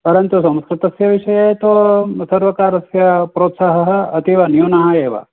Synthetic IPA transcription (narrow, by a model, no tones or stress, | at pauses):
pɐɾɐnt̪usɐ̃m̃skɾɪt̪ɐsjɐʋiʂɐjɐt̪osɐɾʋɐkaːɾɐsjɐpɾoːt̪saɦɐɦɐ̆ɐt̪iʋɐnjuːnɐɦɐeːʋɐ̰